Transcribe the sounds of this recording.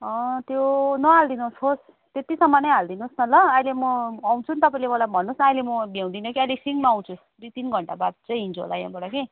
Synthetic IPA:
ʌ̃t̪jonʌɦald̪inusɦos | t̪et̪isʌmːʌnʌjɦald̪inusnʌlʌajlemʌːw̃t͡sʰunt̪ʌpãĩlemʌlabʱʌnːusnʌjlemʌbijãw̃d̪inʌkiʌjlesiŋɡmaʌw̃t͡sʰusd̪ut̪inɡʱʌɳʈabad̪̚t͡sʌj̃ɦint͡sʰuɦo̰la̰jã̰bʌɽʌke

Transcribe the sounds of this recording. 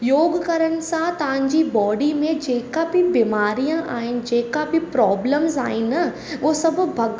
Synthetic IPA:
joːɡkɐɾənsãt̪ãɲd͡ʑibɔːɖimẽd͡ʒeːkabʱibɪmaːɾijãʔaːɪn̆d͡ʒeːkabʱipɾɔːbləmza̰ːɪnɐ | ʋoːsɐbbʱɐɡ

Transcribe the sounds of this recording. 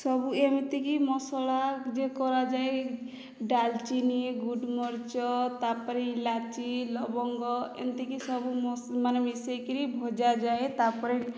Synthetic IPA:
sɔbuemit̪ekimɔsɔlad͡ʒekɔɾad͡ʒae | ɖalt͡ʃiniɡuɖmɔɾt͡ʃɔt̪apɔɾilat͡ʃilɔbɔŋɡɔḛmt̪ekisɔbumɔmanmisɔkiɾibʱɔd͡ʒad͡ʒaet̪apɔɾe

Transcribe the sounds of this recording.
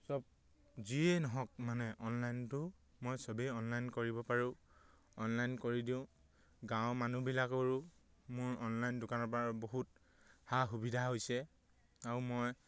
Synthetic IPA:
sɔb̚ | zienɔɦɔk̚manɛʔɔnlajntʊ | mojsɔbɛɔnlajnkoɹibɔpaɹʊ̃ | ɔnlajnkoɹidiʊ̃ | ɡãwʊ̃manubilakoɹʊ | mʊɹɔnlajndʊkanɔɹpɔaboɦut̚ | haxubidʱaɦojsɛ | aɹumoj

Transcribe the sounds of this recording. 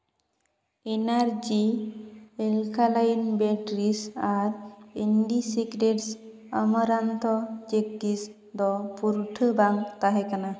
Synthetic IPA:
enaɾd͡ʒi | elkʰalajnbeʈɾisaɾenɖisikɾeʈs | əmɔɾant̪ʰɔd͡ʒek̚ʈis | d̪ɔpuɾʈʰəbaŋt̪aɦɛkana

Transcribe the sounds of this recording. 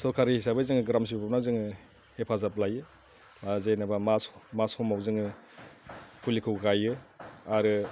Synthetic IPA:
sɔkʰaɾiisabɯjzɯŋɯɡɾams̬ibpʰanawzɯŋɯ | hepʰazap̚lajɯ | mazenabamasmashɔmawzɯŋɯ | pʰulikʰɯwɡajɯaɾɯ

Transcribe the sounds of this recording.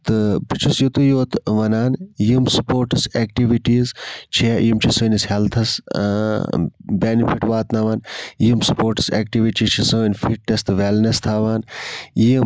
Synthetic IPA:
t̪ɨbit͡ʃʰusjut̪ujoːt̪ʋɐnaːnjimsupoːɾʈɨseːk̚ʈiʋiʈiːzt͡ʃʰijimt͡ʃʰisɨːnishelt̪ʰɐs | beːnifʰiʈʋaːt̪nɐʋaːnjimspoːɾʈsḛːkʈiʋiʈit͡ʃʰisənʲfiʈ̚ʈest̪ʋeːlnɐst̪ʰaːʋaːniim

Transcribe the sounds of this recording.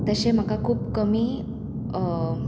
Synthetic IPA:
t̪əɕem̤əkakʰuːpkəmiː

